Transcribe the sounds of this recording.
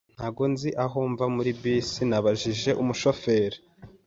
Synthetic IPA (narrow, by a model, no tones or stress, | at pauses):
n̥haːɡo̞nziʔaɦoːɱvamuɾibisinaβaʒiʒe̞ʔumuʃo̞fe̞ɾi